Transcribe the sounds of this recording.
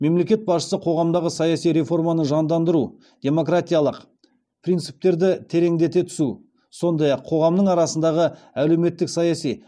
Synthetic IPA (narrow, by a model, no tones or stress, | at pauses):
me̞mle̞kʲe̞t̪̚bɑsʃə̥səqʰo̞ʁɑmd̪ɑʁəsɑjɑsijɾe̞fo̞rmɑnəʒɑnd̪ɑnd̪əɾu | d̪̥ʲe̞mo̞krat̪ʲijalˠəq | pʰrint̪sɨp̚t̪e̞ɾd̪ɪt̪ʰe̞ɾe̞ŋd̪e̞t̪e̞t̪ʰʏ̥su | so̞nd̪ɑjɑqʰːo̞ʁɑmnəɴɑɾɑsənd̪ɑʁə | æle̞wme̞t̪ːɪksɑjɑsij